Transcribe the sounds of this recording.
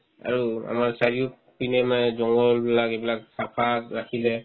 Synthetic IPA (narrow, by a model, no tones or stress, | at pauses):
a̰ɹua̰maɹsaɹiu | pinɛmanɛzɔŋɡɔlbilakebilaksapʰaɹakʰilɛ